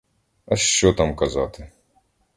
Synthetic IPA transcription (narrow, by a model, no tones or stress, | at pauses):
ɐʃt͡ʃɔt̪amkɐzɑt̪ɪ